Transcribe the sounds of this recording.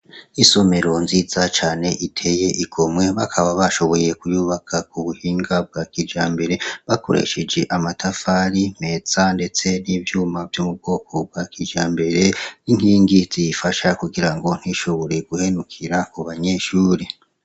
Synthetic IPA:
iso̞me̞ɾo̞nziːzat͡ʃaːne̞ʔitʰe̞je̞ʔiɡʰomŋe̞βakʰaβaβaʃo̞βo̞je̞kujuːβakʰakuβuhiːŋɡab̚ɡaːkid͡ʒaːmbe̞ɾe̞βakʰo̞̰ɾḛʃe̞d͡ʒe̞ʔamatʰafaɾim̥e̞z̥ande̞t͡se̞nivjuːmavjomub̚ɡo̞ːko̞b̚ɡakid͡ʒaːmbe̞ɾe̞niŋhiːŋɡiz̥ifaʃakuɡiɾaŋɡo̞n̥iʃo̞βo̞ɾe̞ɡuhe̞nukʰiɾakuβaɲe̞ʃuːɾi

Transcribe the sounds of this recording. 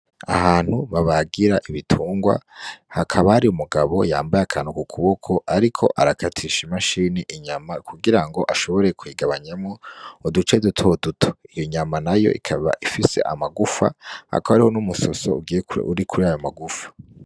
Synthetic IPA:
a̰ɦaːn̥huβaβaɡiɾaʔiβitʰuːŋɡwa̰hakʰaβahaɾiumuɡaβo̞̰ja̰ːmbajakʰaːn̥ukukʰuβokʰoʔaɾikʰo̞̰ʔaɾakʰatʰiʃimaʃiniʔiɲamakʰuɡiɾaŋɡo̞ʔaʃo̞βo̞ɾe̞kwiɡaβaɲamŋoodut͡ʃedutʰodutʰo̥ijoɲamanajo̞̰ʔḭkʰaβa̰ʔifise̞̰ʔa̰maɡufa̰a̰kohaɾiho̞numuso̞so̞̰ṵɡijeṵɾikʰuɾiajo̞maɡufḁ

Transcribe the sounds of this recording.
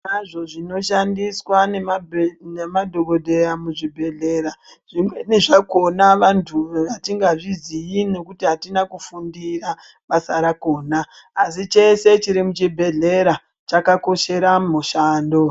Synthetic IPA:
naʐo̞ʐino̞ʃandiswanenemadʱo̞ko̞dʱe̞jamuʐibʱe̞ɮe̞ɾa | ʐimeneʐako̞naʋantʰuʋatiŋɡaʐizijine̞kutiɦatinakufundira | ʋasaɾako̞ːnaː | sit͡ʃe̞se̞t͡ʃiɾimut͡ʃibʱe̞ɮe̞ɾa | t͡ʃakako̞ʃe̞ɾamuʃaːndo̞

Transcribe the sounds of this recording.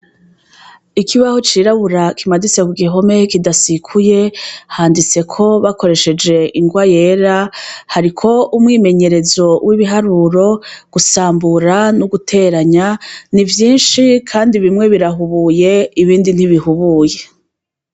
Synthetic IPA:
ikiβaho̞t͡ʃiːɾaβuɾakimadisekuɡiɦo̞me̞kidasikʰuje̞haːndit͡se̞kʰo̞βako̞ɾe̞ʃe̞d͡ʒe̞ʔiŋɡwaje̞ːɾahaɾikʰo̞umŋiːme̞ɲe̞ɾe̞zo̞wʔiβiɦaɾuɾo̞ɡ̥usaːmbuɾanuɡutʰe̞ːɾaɲanivjiːnʃikʰaːndiβimŋe̞βiɾaɦuβuːje̞iβiːndin̥hiβihuβuːje̞

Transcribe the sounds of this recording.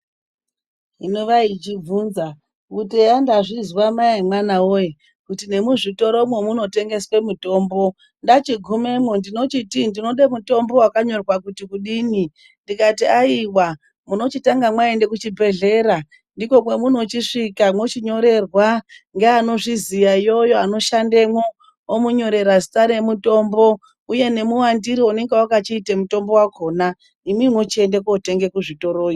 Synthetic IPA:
ɦinoʋait͡ʃib͡vunza | kutejandaʐizwamaemwanaoje | kutine̞muʐito̞ɾo̞mwe̞muno̞te̞ŋɡe̞swe̞muto̞ːmbo̞ | ndat͡ʃiɡʱume̞mondino̞t͡ʃitindino̞ɗemuto̞mbo̞wakaɲo̞rwakutikuɗiːni | ndikatiaiwa | muno̞t͡ʃitaŋɡamwaende̞kut͡ʃibʱe̞ɮe̞ɾa | ndiko̞mwe̞mun̤ot͡ʃiʂikamwo̞t͡ʃiɲo̞ɾe̞rwaŋɡeano̞ʐizijaijo̞jo̞ano̞ʃande̞mwo | omuɲo̞ɾe̞ɾazitaɾe̞muto̞ːmbo̞ | uje̞ne̞muwandiɾione̞ŋɡewakat͡ʃiːtemuto̞mbo̞wakʰo̞na | imimwot͡ʃie̞nde̞kote̞ŋɡe̞kuʐito̞ɾoːi

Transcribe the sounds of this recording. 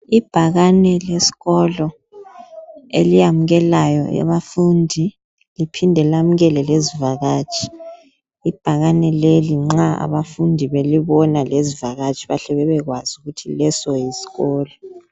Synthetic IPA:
ib̥ʱaɣanɛlesi̥ɣɔlɔ | ḛlijamuɣɛlajɔ̰a̰βafundʱi | lipʰindʱɛlam̩ɣɛlɛlezivaɣaːt͡ʃʰʼi̥ | ib̥ʱaɣanɛleliŋ͡ǁaa̰βafundʱiβeliβɔnalezivaɣat͡ʃʼʰiβaɬɛβɛβɛɣwaz̥uɣutʰilɛsɔjisi̥ɣɔːlɔ

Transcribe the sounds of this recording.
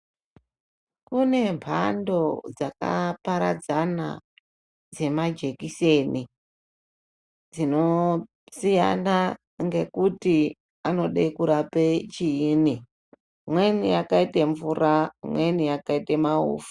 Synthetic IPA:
kune̞mpʰando̞d͡zaka̰paɾa̰d͡zana̰ | d͡ze̞mad͡ʒe̞kise̞ni | d͡zino̞ | sijana | ŋɡe̞kuti | ano̞ɗekuɾapet͡ʃiini | mwe̞nijakaiteɱvuramwe̞nijakaitemaṵːfu̥

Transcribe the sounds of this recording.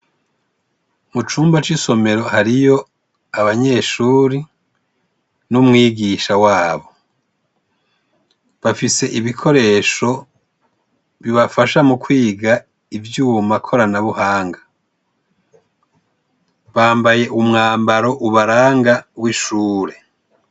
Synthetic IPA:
mut͡ʃuːmbat͡ʃiso̞me̞ɾo̞haɾijo̞ | aβaɲe̞ːʃuːɾi | numŋiːɡiʃawaːβo̞ | βafise̞ʔiβikʰo̞ɾe̞ʃo̞ | βiβafaʃamukwiːɡa | ivjumakʰo̞ɾanaβuhaːŋɡa | βaːmbaje̞ʔumŋaːmbaɾo̞ʔuβaɾaːŋɡawiʃuːɾe̞

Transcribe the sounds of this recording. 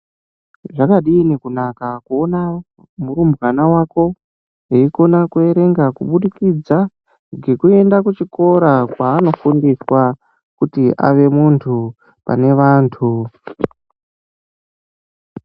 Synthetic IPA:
ʐakaɗiːnekunakakuona | muɾumbwanawako̞ | eiko̞nakue̞ɾe̞ŋɡakuɓuɗikid͡za | ɡe̞kue̞ndakut͡ʃiko̞ɾakwaːno̞fundiswa | kutiʔa̰ʋe̞muntʰu | pa̰ne̞ʋaːntʰu

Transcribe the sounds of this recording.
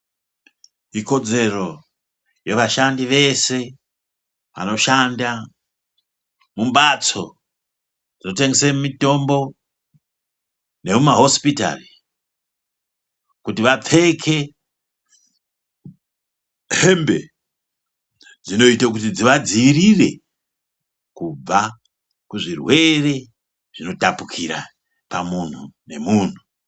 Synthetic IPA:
iko̞d͡ze̞ro̞ | je̞ʋaʃandiʋe̞se̞ | ʋa̰no̞ʃanda | mumbat͡so̞̰ | d͡zino̞te̞ŋɡesemumito̞mbo̞ | ne̞mumaɦo̞spita̰ri | kutiʋap͡fe̞kʰe̞ | ɦe̞mbe̞̰ | d͡zino̞itak̬utid͡ziʋad͡ziːrire̞̰ | kub͡va | kuʐirwe̞re̞ | ʐ̥ino̞tapukʰiɾa̰ | pamun̤une̞muːn̤u

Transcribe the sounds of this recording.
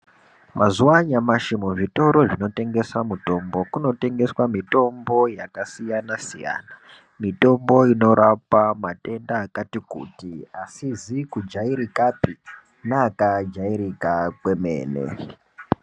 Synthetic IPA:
mʔazuwaɲamaʃimuʐito̞ɾo̞ʐino̞te̞ŋɡe̞swamuto̞mbo̞kuno̞te̞ŋɡe̞swamito̞mbo̞jakasijanasija̰ːna | mito̞mbo̞ino̞ɾapamate̞ndaːkatikṵtiasizikud͡ʒaiɾikapi | naːkad͡ʒaiɾikakwemḛːnḛ

